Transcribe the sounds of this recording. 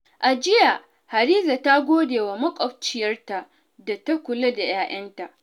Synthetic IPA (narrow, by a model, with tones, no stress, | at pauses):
ʔa˨d͡ʒɪ˦ja˨ | ha˨ɾiː˦za˨ta˦ɡʷoː˦deː˨wa˨mɐ˦kʷʼɔ˨ɸ̚t͡ʃɪ˨jɐ˦rta˨ | da˨ta˦kʷʊ˨lo˦da˨jaː˦ʔɐ˦nta˨ʔ